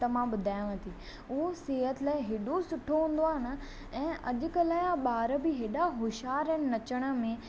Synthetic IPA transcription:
t̪ɐmãɓʊd̪ʱaːj̃ʋə̃t̪ʰi | ʊɦoseːɦət̪ʰɪlaːɪ̃ɦeːɗosʊʈʰoɦũːn̆d̪oaːɦɪnə̆ | ɛ̃ːʔɐ̰ʄʊ̆kəlaːɪaɓaːɾəbɪɦeːɗaɦʊʃaːɾə̃ːnnɐt͡ɕəɽ̃ə̆mẽ

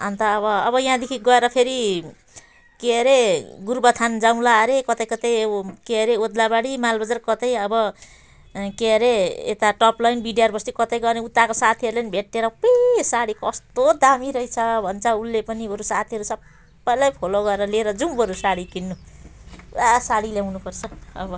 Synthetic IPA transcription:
ant̪aːβʌːbʌjɦãd̪ekʰiɡʌeɾʌpʰeɾi | keʌɾeɡurbʌt̪ʰand͡zaw̃laɾekʌt̪ʌjkʌt̪ʌjkeʌɾeod̪labaɽimalbʌd͡zarkʌt̪ʌjʌbʌ | keʌɾeḛt̪aʈʌplajnbiɖjarbʌst̪ikʌt̪ʌjɡʌrneut̪ːakosat̪ʰiʌɾulenibʱeʈːeɾʌpʌjsaɽikʌst̪od̪amiɾʌjt͡sʰʌbʱʌnt͡sʰʌulːepʌnibʱʌɾusat̪ʰiʌɾusʌbː | ʌjlajpʰoloɡʌeɾʌleɾʌd͡zumbʌɾusaɽikinːu | asaɽiljaw̃nupʌrt͡sʰʌʌ̰bʌ

